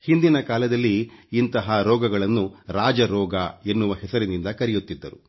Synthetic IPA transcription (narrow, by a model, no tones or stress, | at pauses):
hind̪inɐkaːlɐd̪ɐlːiːnt̪ɐɦɐɾɔːɡɐɡɐɭɐnːuɾaːd͡ʒɐɾɔːɡɐe̞nːuʋɐhɛsɐɾinind̪ɐkɐɾɛjut̪ːid̪ːɐɾu